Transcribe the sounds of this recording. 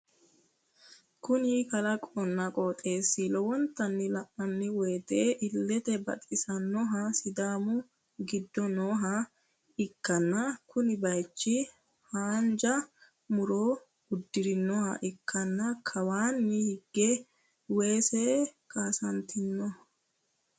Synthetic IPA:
kʊnɪkɐlɐkʼɔnːɐkʼoːt̪ʼe̞ːsːɪlɔwɔnt̪ːɐnːɪlɐpːɐnːɪweːt̪eːʔɪlːɛt̪ɛbɐ̰t̪ʼːɪsɐnːɔɦɐsɪd̪aːmʊ | ɡɪd̪ːɔnoːɦɐ | ɪkːɐnːɐkʊnɪbɐjt͡ʃːɪ | haːnd͡ʒɐ | mʊɾoː | ʊd̪ːɪɾɪnːɔhɐ̰ʔɪkʰːɐnːɐkʰɐwaːnːɪhɪɡːɛ | we̞ːsekʰaːsɐnt̪ɪnːɔ

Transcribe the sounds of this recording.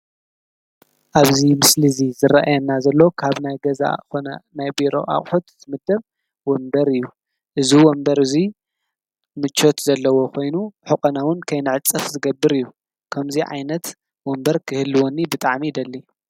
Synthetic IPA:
ʔaβzimɨslizizɨɾaʔajɐnːazɐlːokʰaβnajɡɐza̰onɐnajbiɾo̞̰ʔa̰χʼħut̪ːʰɨmɨd̪ɐβ | wɔmbɐɾɨjːu | ʔɨziwɔmbɐɾɨzi | mɨt͡ʃʰːo̞t̪zɐlːɐwo̞kʰo̞jnuħʊkʼɐnawʊnkʰɐjnɨʕɨt͡sʼɐfzɨɡɐbːɨɾɨjːu | kʰɐmziʕa̰jnɐt̪ | wombɐɾkʰɨhɨlːɨwonːibɨt̪ʼaʕmid̪ɐlːi

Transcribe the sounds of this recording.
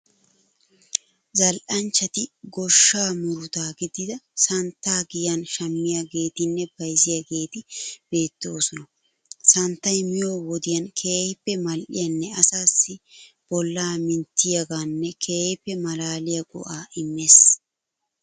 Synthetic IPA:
zɐlʔɐnt͡ʃːɐt̪ɪɡɔʃːaːmʊɾʊt̪aːɡɪd̪ɪd̪ɐsɐnt̪ːaːɡɪjɐnʃɐmːɪjaɡe̞ːt̪ɪnːɛbɐjzɪjaɡe̞ːt̪ɪb̥e̞ːt̪ːoːsɔnɐ | sɐnt̪ːɐjmɪjo̞ːwɔd̪ɪjɐnkʰeːjɪpːɛmɐlʔɪjɐnːɛɐsaːsːɪ | b̥ɔlːaːmɪnt̪ːɪjɐɡaːnːɛkʰeːpːɛmɐlaːlɪjɐɡɔ̰ʔaːʔɪmːeːs

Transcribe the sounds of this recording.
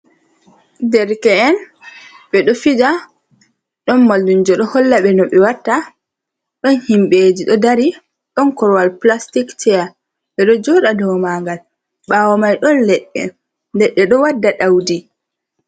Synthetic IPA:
dɛɾkɛɛn | ɓɛɗɔfid͡ʒa | ɗɔnmaldund͡ʒɔɗɔhɔlːaɓɛnɔɓɛwatːa | ɗɔnhimɓed͡ʒiɗɔdaɾi | ɗɔnkɔɾwalplastiktʰɛja | ɓɛɗɔd͡ʒɔɗadɔwmaːŋɡal | ɓaːwɔmajɗɔnlɛɗɛ̰ | ndɛɗːɛɗɔwadːaɗawdi

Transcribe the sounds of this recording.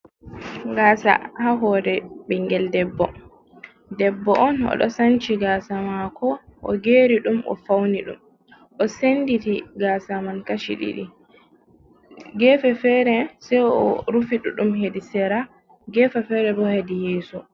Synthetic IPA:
ɡaːsa̰haɦɔːdɛɓɛŋɡɛldɛbːɔ | dɛbːɔʔɔnɔ̰ɗɔ̰sant͡ʃiɡaːsamakɔʔɔ̰ɡeːɾiɗumʔɔ̰fawniɗṵm | ʔɔsenditiɡaːsamankaʃḭɗḭɗḭ | ɡɛfɛfɛɾɛsɛjɔɾufiɗuɗumhedisɛɾa | ɡɛːfɛfɛɾɛbɔhedijɛːsu

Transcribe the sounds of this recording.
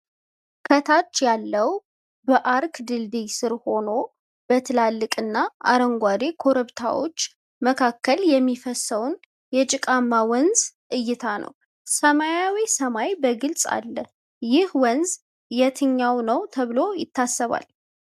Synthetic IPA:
kʰət̪ʰat͡ʃːjalːəw | bəʔaɾkd̪ɨld̪ijsɨɾho̞no̞ | b̥ət̪ʰɨlalːɨkʼɨnːaa̰ɾəŋɡʷad̪ekʰo̞ɾəβt̪ʰa̰wo̞̰t͡ʃː | məkʰakːəljɛmːifəsːəwn | jɛt͡ʃʼɪkʼamːawənzʔɨjːɪt̪ʰanə̰w | səmajawisəmajbəɡɨlsʼa̰lːə | jɪhwənz | jɛt̪ʰɨɲːawnəwt̪ʰəβɨlo̞jɪt̪ːasːəβa̰l

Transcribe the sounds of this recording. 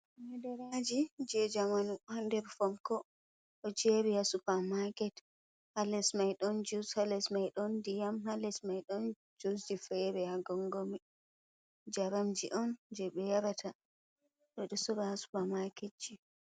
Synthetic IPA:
mɛdɛɾad͡ʒid͡ʒɛd͡ʒamanuhandɛɾfɔmkɔ | ʔɔd͡ʒebihasupamakɛt | halɛsmajɗɔnd͡ʒushalɛsmajɗɔndijamhalɛsmajɗɔn | d͡ʒosd͡ʒifɛbɛhaɡɔŋɡomi | d͡ʒaɾamd͡ʒiʔɔnd͡ʒɛɓɛjaɾatʰa | ɗɔɗɔsɔbahasu̥pamaket͡ʃːi

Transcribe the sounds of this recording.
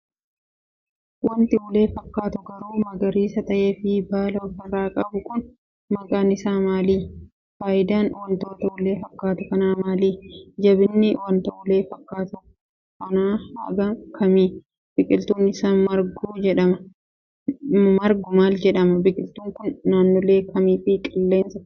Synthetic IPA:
wɐnt̪ɪʊle̞ːfɐkːaːt̪ʊɡɐɾuːmɐɡɐɾiːsɐt̪ɐʔeːfɪbaːlɐɔfɪrːaːkʼɐbʊkʊn | mɐkʼaːnɪsaːmaːliː | faːʔɪd̪aːnwɐnt̪o̞ːt̪ɐʊle̞ːfɐkːaːt̪ʊkɐnaːmaːliːd͡ʒɐbɪnːɪwɐnt̪ɐʔʊle̞ːfɐkːaːt̪ʊ | kɐnaːɐ̰ɡɐŋkʰɐmiː | b̥ɪkʼɪlt̪uːnɪsaːnmɐɾɡuːd͡ʒɛᶑɐmɐ | mɐɾɡʊmaːld͡ʒɛᶑɐmɐbɪkʼɪlt̪uːŋkʊnːaːnːoːle̞ːkɐmiːfɪkʼɪlːe̞ːnsɐ̥

